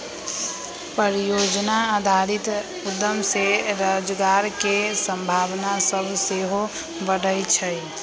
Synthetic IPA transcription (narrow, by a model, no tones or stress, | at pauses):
pəɾijod͡ʒnaad̪ʱaɾit̪ | ud̪ːəmseɾəd͡ʒɡaɾkesə̃mbʱabnasəbʱseɦo | bəɽəjt͡ʃʰəj